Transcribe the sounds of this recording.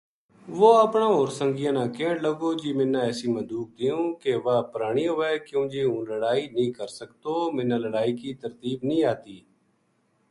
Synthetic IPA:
ʋoːəpɳãːɦoːɾsə̃ŋɡɪjãːnãːkeːɽləɡoːd͡ʒiːmɪnːãːɛːsĩːməd̪uːk̚d̪ɪjũːkeʋaːpəɾaːɳ̃iːjõːʋɛːkjõːd͡ʒeːɦũːləɽaːiːnĩːkəɾsəkt̪oːmɪ̃nːãːləɽaːiːkiːt̪əɾt̪iːbnĩːaːt̪iː

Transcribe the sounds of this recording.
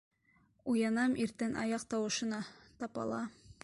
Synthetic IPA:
ujɑnɑmʔiɾt̪ænʔɑ̰jɑq̚t̪ɑwɤ̆ʃɤ̆nɑt̪ɑpɑ̰lˠɑ

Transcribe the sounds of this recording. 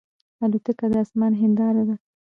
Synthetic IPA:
alut̪əkad̪əasmɑnɦɪnd̪ɑɾad̪a

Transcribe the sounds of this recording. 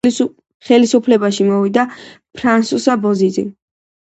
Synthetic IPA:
χɛlisupʰlɛbaʃimɔvid̪apʰɾansusabɔzid̪zḭ

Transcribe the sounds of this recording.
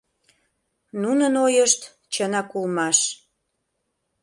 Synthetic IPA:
nunənojəʃt̪ | t͡ɕənɑkulmɑʃ

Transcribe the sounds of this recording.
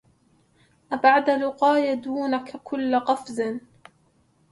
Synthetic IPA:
ʔabaʕd̪alʊqɑːjad̪uːnakakʰʊlːqɑfzɪn

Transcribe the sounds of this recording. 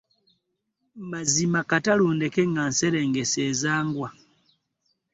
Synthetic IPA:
mazimakataluːndekeŋɡanseɾeːŋɡeseːzaːŋɡwa

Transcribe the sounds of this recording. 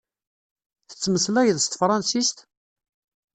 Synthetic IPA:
θə̥t͡sːməslæjəðst̪fɾˤɑnsist̪

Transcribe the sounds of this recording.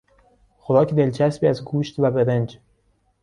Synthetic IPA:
xoɾɒːcʰd̪e̞lt͡ʃʰæsbiːæzɡuːʃt̪væbeɾend͡ʒ

